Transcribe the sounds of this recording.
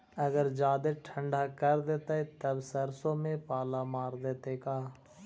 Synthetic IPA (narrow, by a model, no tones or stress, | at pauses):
ɐɡəɾd͡ʒaːd̪eʈʰə̃ɳɖakəɾd̪eːt̪aet̪əbsɐɾsõmẽpaːlamaːɾd̪eːt̪ekaː